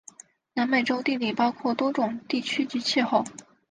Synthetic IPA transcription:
na˧˥nme˨˩ʈ͡ʂo˥ʊt̪i˥˧li˥˩pɑ˥ʊkʰwɔ˥˩t̪wɔ˥ʈ͡ʂʊ˨˩ŋt̪i˥˩t͡ɕʰy˥t͡ɕi˧˥t͡ɕʰi˥˧xo˥˩ʊ

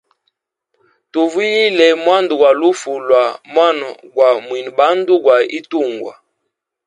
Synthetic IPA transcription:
tu˨vi˦ji˦lɛ˨mwa˦ndu˨ɡwa˨lu˦fu˨lwa˨mwa˦n˨ɡwa˨mwi˨n˨ba˨˦n˦du˦ɡwa˨i˦tu˦˨ŋɡwa̰˨

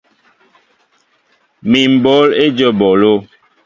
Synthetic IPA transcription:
mi˨m̩˨bɔ˨˦le˦d͡ʒə˦˨bɔ˨lo˦˨

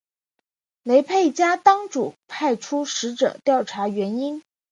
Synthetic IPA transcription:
le˧˥ɪpʰe˥˩ɪt͡ɕja˥t̪ɑ˥ŋʈ͡ʂu˨˩pʰa˥˩ɪʈ͡ʂʰu˥ʂɻ̩˧˥ʈ͡ʂɤ̰˨˩t̪jɑ˥˩ʊʈ͡ʂʰa˧˥ɥɛ˧˥ni˥n

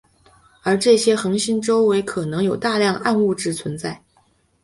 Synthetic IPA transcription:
ə˞˧˥ʈ͡ʂɤ˥˩ɕjɛ˥xɤ˧˥ŋɕi˥nʈ͡ʂo˥ʊwe˧˥ɪkʰɤ˨˩nɤ˧˥ŋjo˨˩ʊt̪a˥˧ljɑ˥˧ŋa˥˧nu˥˧ʈ͡ʂɻ̩˥˩t͡sʰwə˧˥nt͡sa˥˩ɪ

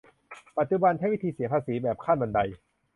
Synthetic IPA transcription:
pa˨˩t̪̚t͡ɕu˨˧ba˧nt͡ɕʰa˥˩jwi˦˥t̪ʰiː˧si˨˦ɐpʰaː˧siː˩˦bɛː˨˩p̚kʰaː˥˩nba˧nda˧j

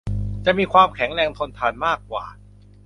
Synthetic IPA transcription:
t͡ɕa˨˩miː˧kʰwaː˧mkʰɛ˩˦ŋɾɛː˧ŋt̪ʰo˧nt̪ʰaː˧nmaː˥˩kːwa̰ː˨˩

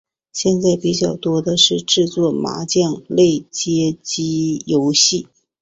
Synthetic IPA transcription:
ɕjɛ˥˧nt͡sa˥˩ɪpi˨˧˩t͡ɕjɑ˥˩ʊt̪wɔ˥d̪ə˨ʂɻ̩˥˧ʈ͡ʂɻ̩˥˧t͡swɔ˥˩ma̰˧˥t͡ɕjɑ˥˧ŋle˥˩ɪt͡ɕjɛ˥t͡ɕi˥jo˧˥ʊɕi˥˩

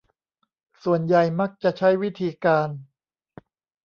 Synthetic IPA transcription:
su˨˩ənja˨˩jma˦˥˩k̚t͡ɕa˨˩t͡ɕʰa˦˥˩jwi˦˥t̪ʰiː˧kaː˧n

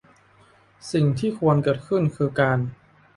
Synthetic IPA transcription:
si˨˩ŋt̪ʰiː˥˩kʰu˧ənkɤː˨˩t̪̚kʰɯ˥˩nkʰɯː˧kaː˧n

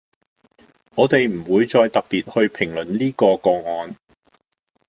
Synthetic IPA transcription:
ŋɔː˨˧t̪e˨jm̩˨˩wuː˨˧jt͡ʃɔː˧jt̪ɐ˨k̚piː˨t̚hɵ˧ɥpʰɪ˨˩ŋlɵ˨˩nliː˥kɔː˧kɔː˧ŋɔː˨˧n

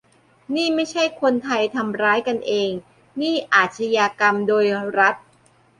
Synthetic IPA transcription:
niː˥˩ma˥˩jt͡ɕʰa˥˩jkʰo˧nt̪ʰa˧jt̪ʰa˧mɾaː˦˥jka˧nʔeː˧ŋ | niː˥˩ʔaː˨˩t̪̚sʰa˧jaː˧ka˧mdoː˧jɾa˦˥t̪̚

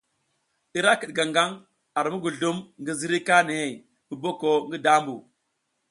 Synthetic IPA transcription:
i˦ɾa˦ki˨ɗɡa˨ŋɡa˦ŋ | a˨ɾmu˦ɡu˨ɮu˦mŋɡi˦zi˦ɾi˦ka˦ni˨he˨j | bu˨bo˦ko˨ŋɡi˦da˦mbṵ˨

